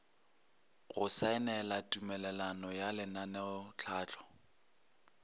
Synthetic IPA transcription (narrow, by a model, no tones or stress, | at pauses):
ɣʊsaɪnɛlatʼumɛlɛlanɔjalɪnanɛʊt͡ɬʰaːt͡ɬʼɔ̥